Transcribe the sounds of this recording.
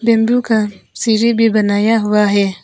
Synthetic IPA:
bembjũkasiːɾibʱibɐnaːjaɦʊaɦɛː

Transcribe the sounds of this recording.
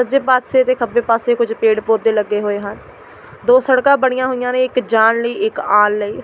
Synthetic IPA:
əd͡ʒeːpaːt̪seːt̪eːkʰəbeːpaːseːkʊd͡ʒpeːɽpoːd̪eːləɡːeːɦoːeːɦən | d̪oːsəɽkãːbəɳ̃ɪjãːɦoːɪjãːnẽːɪkd͡ʒaːnləiːʔɪkaːnləiː

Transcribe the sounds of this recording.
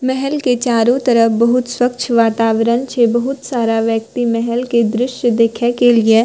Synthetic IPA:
mɛɦɛlket͡ʃaːɾõt̪ɐɾəfbɐɦʊt̪swɐkt͡ʃʰʋaːt̪aːʋɾənt͡ʃʰebɐɦʊt̪saːɾaʋjək̚t̪imɛɦɛlked̪ɾɪʃjəd̪eːkʰekelie

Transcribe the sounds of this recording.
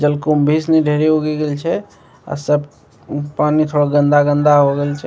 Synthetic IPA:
d͡ʒəlkombʱisnɛɖʱeɾeɦoɡeɡelt͡ʃʰɛ | a̰səb | panikʰəɾoɡənd̪aɡə̃nd̪aɦoɡelt͡ʃʰɛ

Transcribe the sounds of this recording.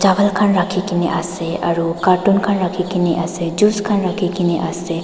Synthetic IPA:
d͡ʒaʋəlkʰanɾakʰikineʔaseaɾukaɾʈunkʰanɾakʰikiniʔased͡ʒuskʰanɾakʰikineʔase

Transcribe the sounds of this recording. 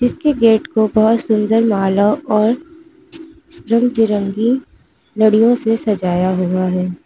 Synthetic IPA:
d͡ʒɪskeɡeːʈkobɐɦʊt̪sʊ̃nd̪əɾmaːlaɔːɾ | ɾə̃md͡ʒɪɾə̃ŋɡi | nɐɽijõsesɐd͡ʒaːjaɦuaɦɛː

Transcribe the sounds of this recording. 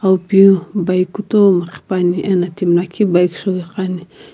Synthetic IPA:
awpjubajkut̪omaqi̥paniʔenat̪imlakʰibajkʃoɡeqani

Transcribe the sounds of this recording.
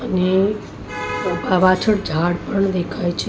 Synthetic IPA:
əne | baʋat͡ʃʰəɽd͡ʒʱaɽpəɳd̪ekʰajt͡ʃʰ

